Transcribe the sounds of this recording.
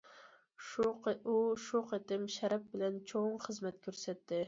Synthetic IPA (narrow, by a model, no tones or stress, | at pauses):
uʃuqʰet̪ɪmʃæɾɛp̚bɪlɛnt͡ʃʰoɴχɨzmɛt̪kʲʰøɾsɛt̪ːɪ